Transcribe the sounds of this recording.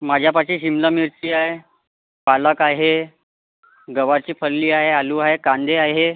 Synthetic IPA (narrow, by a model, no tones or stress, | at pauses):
mad͡ʑʱjapat͡ɕiːɕimləmiɾt͡ɕiːaɦe | paləkaɦe | ɡəʋaɾt͡ɕiːpʰəlːiːaɦealuːaɦekand̪ʱeaɦe